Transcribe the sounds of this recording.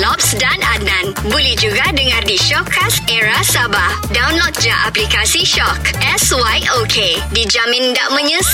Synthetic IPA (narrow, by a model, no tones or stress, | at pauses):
lɔp̚sdananãnbolɛhd͡ʒuɡadəŋãrdiʃɔkʰːaseɹasabah | dawnlɔt̪̚d͡ʒaʔaplikasiʃɔkʔɛswajokʰedid͡ʒamɪ̃ndaʔmə̃ɲə̃s